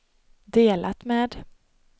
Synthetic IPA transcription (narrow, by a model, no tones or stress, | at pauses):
d̪eːlʔat̪meːd̪